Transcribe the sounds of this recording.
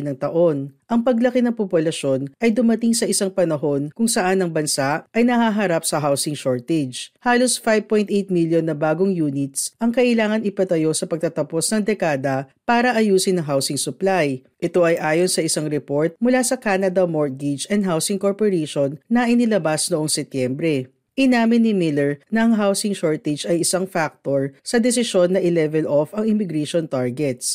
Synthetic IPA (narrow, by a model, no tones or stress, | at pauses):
nɐŋt̪ɐʔo̞nʔɐŋpɐɡlɐkɪnɐŋpopʊlɐʃo̞nʔɐjd̪ʊmɐt̪iŋsɐʔɪsaŋpɐnɐɦo̞nkʊŋsɐʔanːɐŋbɐnsaʔʔɐjnɐhaɦɐɾapsɐɦawsɪŋʃoɹt̪ɛd͡ʒhaːlo̞sfajb̚pojnt̪ʔɛjt̪̚miljonːɐbaːɡoŋjuːnɪt̪sʔɐŋkɐʔɪlaːŋɐnɪpɐt̪ɐjo̞sɐpɐɡ̚t̪ɐt̪ɐpo̞snɐŋd̪ɛkaːd̪ɐpaːɾɐʔɐjuːsɪnɐŋɦawsɪŋsʊplajʔɛt̪o̞ʔɐjʔaːjonsɐʔɪsaŋɾɛpo̞ɹt̪̚mʊlasɐkanɐd̪ɐmoɹɡɪd͡ʒɛnd̪̚ɦawsɪŋkoɹpoɾɛʃonːɐʔɪnɪlɐbasnoʔoŋsɛt̪jɛmbɾɛ | ʔɪnaːmɪnːɪmɪlɛɹnɐʔɐŋɦawsɪŋʃoɹt̪ɛd͡ʒɐjɪsaŋfak̚t̪oɹsɐd̪ɛsɪʃo̞nːɐʔɪlɛvɛlʔofɐŋɪmɪɡɾɛʃont̪aɹɡɛt̪̚s